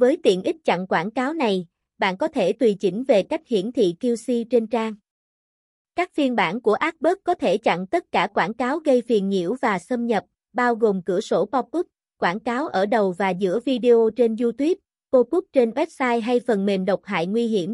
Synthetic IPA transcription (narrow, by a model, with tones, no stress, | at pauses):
vəː˨˦jt̪ḭ˧˨ənʔi˦˥k̟̚t͡ɕa̰˧˨ŋkwaː˧˩nkaː˨˦wna˨˩j | ɓa̰ː˧˨nkɔ˨˦t̪ʰe˧˩t̪wi˨˩t͡ɕï˨˦˥ŋ̟ve˨˩ka˦˥jk̟̚hḭ˧˥ənt̪ʰḭ˧˨ki˧əwsi˧t͡ɕe˧nt͡ɕaː˧ŋ | kaː˦˥k̚fi˧ənɓa̰ː˧˩nku˧˩əʔaː˦˥t̚ɓəː˦˥k̚kːɔ˨˦t̪ʰe˧˩t͡ɕa̰˧˨ŋt̪ə˦˥t̚kaː˧˩kwaː˧˩nkaː˨˦wɣə˧jfi˨˩ənŋḭ˧˥əwvaː˨˩sə˧mɲə˨˩p̚ | ɓaː˧wɣo˨˩mkɨ̰˧˩əso˧˩pɔ˧kʊ˦˥p̚ | kwaː˧˩nkaː˨˦wʔəː˧˩ɗə˨˩wvaː˨˩zɨ̰˧˥əvi˧ɗi˧ʔo˧t͡ɕe˧nzu˧t̪wi˦˥əp̚ | ko˧kʊ˦˥k͡p̚t͡ɕe˧nwɛ˦˥p̚saː˧jɦa˧jfə˨˩nme˨˩nɗə˨˩wk͡p̚ɦa̰ː˧˨jŋwi˧ɦi˧˩əm